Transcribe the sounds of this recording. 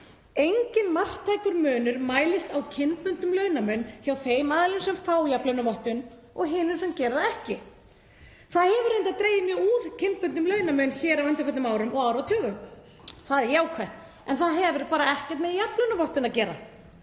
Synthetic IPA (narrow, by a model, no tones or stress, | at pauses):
ejɲcɪnmar̥t̪ʰːaːjkʏɾmœːnʏɾmaːjlɪst̪awcʰɪnpʏnt̪ʏmlœɥnamœɥnçjawθejmaːðlʏnsɛmfaːwjaplœɥnʏvɔht̪ʏn | ɔɣɦɪːnʏsɛmcɛːɾðaɛhcɪ | θaðhɛvʏɾejnt̪aðt̪ɾeːjɪmjœuɾcʰɪnpʏnt̪ʏmlœːɥnamœnçɛːɾawœjnt̪ɪɾfɛt̪nʏmaːwɾʏmɔɣawɾvat̪ʰœːɣʏm | θaðɛjaːwkʰvɛjht̪ | ɛnθaðɦɛvʏɾpaːɾaɛhcɛɾ̥t̪mɛðijaplœɥnʏvɔht̪ɪnaðcɛːɾa̰